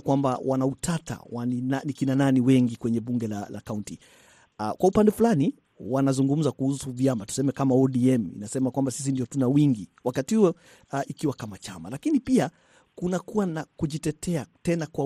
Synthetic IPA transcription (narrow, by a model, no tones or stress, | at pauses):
kwambawʔanautʰata̰waninanikinananiwɛŋɡikwɛɲɛɓuŋɡɛlala̰kaunti | kwaupandɛfulani | wanazuŋɡum̩zakuhusuvjamatu̥sɛmɛkamaɔɗiɛmḭnasɛmakwambasis̬indiɔtunawiŋɡiwakatihuɛ | ikiwakamat͡ʃama̰lakinipia | kunakuwanakuʄitɛtʰɛatɛnakwa